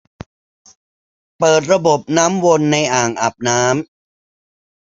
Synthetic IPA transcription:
pɤː˨˩t̪̬̚ɾa˧bo˨˩p̚naː˦˥mwo˧nːa˧jʔaː˨˩ŋʔa˨˩p̚naː˦˥m

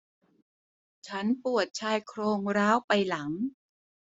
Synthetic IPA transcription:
t͡ɕʰa˦˥npu˨˩ət̪̚t͡ɕʰaː˧jkʰɾoː˧ŋɾaː˦˥wpa˧jla˩˦ŋ

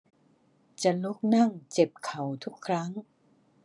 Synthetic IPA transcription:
t͡ɕa˨˩lo˦˥k̚na˥˩ŋt͡ɕe˨˩p̚kʰa˨˩˦wt̪ʰu˦˥kʰːɾa˦˥ŋ

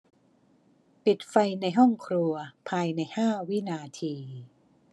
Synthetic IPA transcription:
pi˨˩t̪̚fa˧jna˧jɦɔ˥˩ŋkʰɾu˧ɐpʰaː˧jna˧jhaː˥˩wi˦˥naː˧t̪ʰiː˧

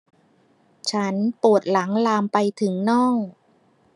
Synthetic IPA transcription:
t͡ɕʰa˦˥npu˨˩ət̪̚la˩˦ŋlaː˧mpa˧jt̪ʰɯ˩˦ŋnɔː˥˩ŋ

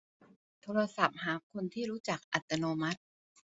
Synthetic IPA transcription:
t̪ʰoː˧ɾa˧sa˨˩p̚haː˩˦kʰːo˧nt̪ʰiː˥˩ɾuː˦˥t͡ɕa˨˩k̚ʔa˨˩t̪ːa˧noː˧ma˦˥t̪̚

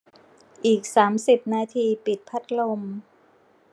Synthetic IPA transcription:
ʔiː˨˩k̚saː˩˦msi˨˩p̚naː˧t̪ʰiː˧pi˨˩t̪̚pʰa˦˥t̪̚lo˧m

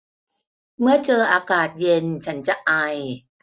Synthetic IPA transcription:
mɯ˥˩ɐt͡ɕɤː˧ʔaː˧kaː˨˩t̪̚je˧nt͡ɕʰa˦˥nt͡ɕa˨˩ʔa˧j

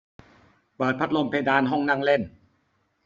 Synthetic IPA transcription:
pɤː˨˩t̪̚pʰa˦˥t̪̚lo˧mpʰeː˧daː˧nɦɔ˥˩ŋnaː˥˩˨ŋle˥˩n

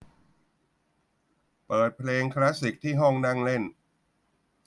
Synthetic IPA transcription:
pɤː˨˩t̪̚pʰleː˧ŋkʰla˦˥si˨˩k̚t̪ʰiː˥˩ɦɔ˥˩ŋna˥˩ŋle˥˩n

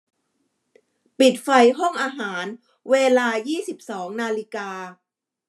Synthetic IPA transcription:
pi˨˩t̪̚fa˧jɦɔ˥˩ŋʔaː˧ɦaː˩˦n | weː˧laː˧jiː˥˩si˨˩p̚sɔː˩˦ŋnaː˧li˧kaː˧

